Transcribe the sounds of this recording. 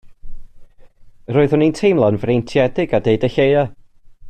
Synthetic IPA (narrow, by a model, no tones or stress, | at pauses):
roːɨðʊnintʰejmlˠanvrejntʰjɛdɪɡadejdəɬeja